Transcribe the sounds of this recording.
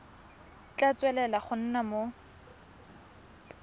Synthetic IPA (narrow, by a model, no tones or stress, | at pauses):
t͡ɬat͡sʼwɛlɛlaχʊn̩namo